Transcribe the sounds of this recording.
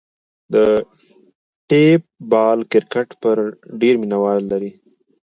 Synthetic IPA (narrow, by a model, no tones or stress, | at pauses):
d̪ə | ʈep̚bɑlkɪɾkaʈpəɾɖeɾminawɑɾːaɾi